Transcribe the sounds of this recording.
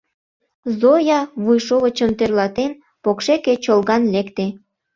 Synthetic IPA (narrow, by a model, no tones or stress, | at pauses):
zojɑβujʃoβət͡ɕəmt̪erlɑt̪en | pokʃeket͡ɕolɣɑnlekt̪e